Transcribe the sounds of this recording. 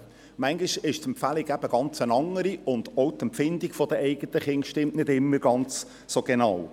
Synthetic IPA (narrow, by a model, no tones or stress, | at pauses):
mæŋɡiʃɪʃɛmpfæliɡæb̥əɡ̥ɑnt͡sənɑŋəɾiʊnd̥̪ɔʊt̪ɛmpfɪnd̪iɡ̥fɔd̥̪əʔɛɪɡət̪əχɪnʃtɪmʔnɪdɪmːəɾɡɑnt͡sː | oɡ̥enɑw